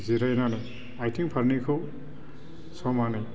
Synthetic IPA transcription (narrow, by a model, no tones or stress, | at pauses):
ziɾajnanaj | ajtʰiŋpʰaɾnikʰɯ | sɔmanaj